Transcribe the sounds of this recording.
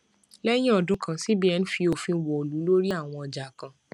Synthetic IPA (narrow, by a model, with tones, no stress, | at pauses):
lɛ˦j̃ĩ˦ɔ˨dʊ̃˨˦kã˨si˦bi˦ɛ˨˧n̩˦fi˧o˨fĩ˧˦wɔ˨o˨lu˨˦lo˦ɾi˦a˦˨w̃ɔ̃˧ɔ˨d͡ʒa˨kã˨